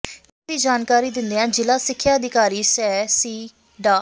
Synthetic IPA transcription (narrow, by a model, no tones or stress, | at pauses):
ɪd̪iːd͡ʒaːnkaːɾiːd̪ɪ̃nd̪eːãːd͡ʒɪlaːsɪkʰːjaːəd̪ɪkaːɾiːsɛːsiː | ɖaː